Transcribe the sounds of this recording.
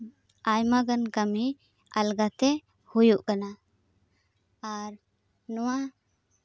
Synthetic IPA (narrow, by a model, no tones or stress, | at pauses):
ajmaɡənkami | alɡat̪ɛ | hujuʔkana | ɾ | nuwa